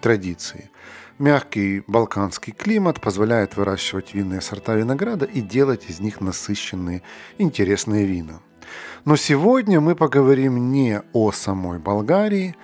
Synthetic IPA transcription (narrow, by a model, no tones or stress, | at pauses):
t̪ɾɐdʲit̪sɨɪ | mʲaxkʲɪjbɐlˠkanskʲɪjklʲimət̪pəzvɐlʲæjɪt̪vɨɾaɕːɪvətʲvʲinːɨjəsɐrt̪avʲɪnɐɡɾad̪əʔidʲe̞lˠətʲɪzʲnʲixnɐsɨɕːɪnːɨjəɪnʲtʲɪɾʲe̞snɨjəvʲinə | nosʲɪvo̞dʲnʲəmɨpəɡəvɐɾʲimnʲeosɐmo̞jbɐlˠɡaɾʲɪɪ